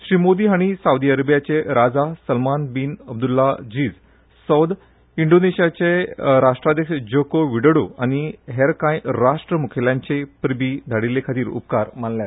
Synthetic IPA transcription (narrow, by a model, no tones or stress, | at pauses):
ɕɾimod̪iːɦaɽ̃isawd̪iəɾəbjat͡ɕeɾad͡zasəlmanbiːnəb̚d̪ulːad͡ʑiːd͡z | səwd̪ | iɳɖoneɕijat͡ɕeɾaʂʈɾad̪jəkɕd͡ʑokoʋiɽəɽoaɽ̃iɦeɾkãjɾaʂʈɾəmukʰeljãɲt͡ɕepɾbid̪ʱaɽilekʰat̪iːɾṵpkaɾm̤anljat̪